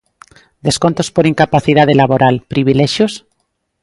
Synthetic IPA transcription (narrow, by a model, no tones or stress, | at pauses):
d̪eskont̪ospoɾiŋkapaθið̞að̞elaβoɾalpɾiβ̞ileʃjos